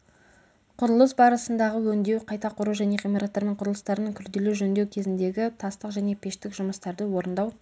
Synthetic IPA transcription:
qʰʊɾəlˠəsbɑɾəsənd̪ɑʁəwɵnd̪e̞wqʰɑjt̪ɑqʰʊɾuʒæne̞ʁimeɾat̪ːɑɾme̞ɴqʰʊɾəlˠəst̪ɑɾənəŋkʲʰʏɾd̪e̞leʒɵnd̪e̞wkʲʰe̞zɪnd̪e̞ɡʲɪt̪ʰɑst̪əqʒæne̞pʰe̞ʃt̪ɪkʒʊməst̪ɑɾd̪əwo̞ɾənd̪ɑw

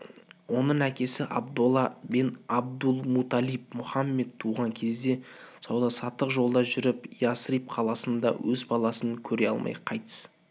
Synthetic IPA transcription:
wo̞nəɴækʲe̞sɪʔɑ̰bd̪ulˠɑbɪnɑb̚d̪ulˠmut̪ɑlijp̚mʊχɑmːe̞d̪̚t̪ʰːuʁɑŋkʲʰe̞zd̪e̞sɑwd̪ɑsɑt̪ːəqʒo̞lˠd̪ɑʒʏɾɪpjasrip̚qʰɑlˠɑsənd̪ɑ̰wɵzbɑlˠɑsəŋkʲʰɵɾe̞ɑ̰lˠmɑ̰jqʰɑjt̪ə̥s

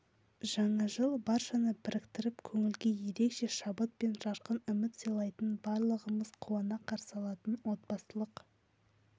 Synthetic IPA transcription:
ʒɑɴɑʒəlˠbɑɾʃɑnəbɪɾɪkt̪ɪɾɪpkʲʰɵŋɪlɡʲe̞je̞ɾe̞kʃe̞ʃɑbət̪̚pe̞nʒɑɾqənʏmɪt̪sijlˠɑjt̪ənbɑɾlˠəʁəməz̥qʰuwɑnɑqʰɑɾsɑlˠɑt̪ənwo̞t̪bɑsəlˠəq

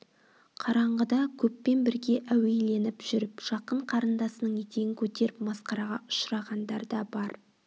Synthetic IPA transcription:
qʰɑɾɑɴʁəd̪ɑkʲʰɵpːe̞nbɪɾɡʲe̞ʔæwe̞jle̞nɪpʒ̥ʏɾɪpʒ̥ɑqəɴqʰɑɾənd̪ɑsənəɴet̪e̞ɡɪŋkʲʰɵt̪e̞ɾɪp̚mɑsqɑɾɑʁɑʔʊ̥ʃɾɑʁɑnd̪ɑɾd̪ɑbɑɾ

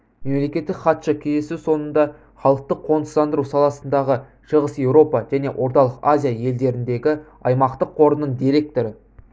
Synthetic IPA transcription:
me̞mle̞kʲe̞t̪ːɪkχɑt̪ʃɑkʲʰej̪e̞sɪwso̞nənd̪ɑ | χɑlˠəq̚t̪əqʰːo̞nə̥sɑnd̪əɾuwsɑlˠɑsənd̪ɑʁə | ʃəʁəsje̞wɾo̞pɑʒ̥æne̞wʔo̞ɾt̪ɑlˠəqazʲijaje̞ld̪e̞ɾɪnd̪e̞ɡʲɪ | ɑjmɑqt̪əqʰːo̞ɾənːəɴd̪iɾe̞k̚t̪o̞ɾɪ

